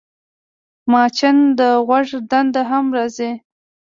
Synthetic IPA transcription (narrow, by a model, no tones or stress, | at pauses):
mɑt͡ʃɪnd̪əɣwaʐd̪and̪aɦamɾazi